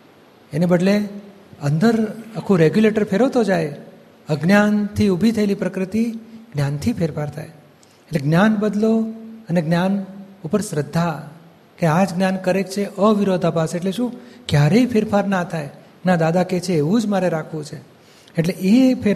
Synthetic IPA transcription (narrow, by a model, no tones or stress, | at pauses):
enebəɖle | ənd̪əɾəkʰũɾeɡjuleʈəɾpʰeɾəʋt̪od͡ʒaj | əɡnjant̪ʰiubʱit̪ʰəelipɾəkɾət̪iɡ̥njant̪ʰifʰeɾfaɾt̪ʰa̰j | eʈleɡnjanbəd̪loəneɡnjanupəɾsɾəd̪ʱːa | kead͡ʒɡnjankəɾekt͡ʃʰeʔəʋɪɾod̪ʱapaseʈleʃũkjaɾeipʰeɾfʰaɾnat̪ʰaj | nad̪ad̪aket͡ʃʰeːʋũd͡ʒmaɾeɾakʰʋũt͡ʃʰeː | ʈleʔepʰeɾ